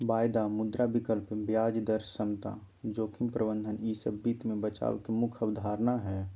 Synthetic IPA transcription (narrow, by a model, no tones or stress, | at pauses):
baːjd̪amʊd̪ɾabikəlpbjaːd͡ʒd̪əɾsəmt̪a̰ | d͡ʒoːkʰimpɾəbə̃nd̪ʱənisəbbiːt̪mẽbət͡ʃa̰ːʋkemʊkʰəbd̪ʱaːɾnaɦɛ